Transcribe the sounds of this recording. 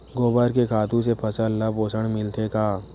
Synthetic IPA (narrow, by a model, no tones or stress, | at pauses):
ɡoːbəɾkekʰaːt̪ũsepʰɐsəlːɐboːsəɽmɪlt̪ʰekaː